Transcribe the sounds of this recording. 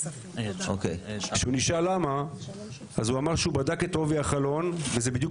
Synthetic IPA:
ʔo̰kejʃeuniʃalama | azuamaʁʃeubadaket̪oviaχalo̞nvezebid̪juk

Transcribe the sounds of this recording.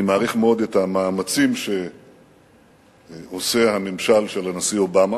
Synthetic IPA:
maːʁiχmeo̞d̪ethamaːmat͡simʃe̞ | osehamemʃalʃelanasio̞bama

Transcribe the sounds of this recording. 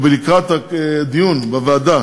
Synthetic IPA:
belikat̪ad̪ijunbavaad̪a

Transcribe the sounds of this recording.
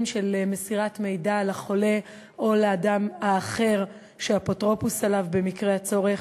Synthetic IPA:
nʃelmesiʁatme̞jdalaχo̞le̞ | ʔo̞leadamaːχe̞ʁ | ʃeapotʁo̞pusalavbe̞mikʁeat͡so̞ʁeχ

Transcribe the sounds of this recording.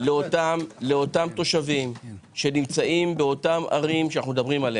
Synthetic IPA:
leotamle̞o̞tamt̪o̞ʃavimʃe̞nimt͡saʔimbeo̞tama̰ʁimʃanaχnumed̪ɐbʁimale

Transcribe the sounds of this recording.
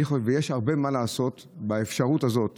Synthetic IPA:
χovejeʃhaʁbemalaːso̞t̪ | baefʃaʁutazo̞t

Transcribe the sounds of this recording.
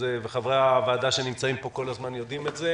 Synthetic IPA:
eveχavʁeavaːdaʃe̞nimt͡saimpo̞ko̞lazmanjo̞dimetze

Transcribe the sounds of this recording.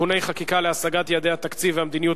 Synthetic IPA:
une̞jχakikaleasaɡat̪jad̪ejhat̪akt͡siveamd̪iniju

